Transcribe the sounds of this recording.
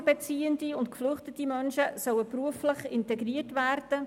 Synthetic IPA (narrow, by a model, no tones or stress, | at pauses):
bɛt͡siːəndiʊntkflʏχtətimœnʃəsœwəpruəflɪχɪntɛɡriːtʋæːrd̥ə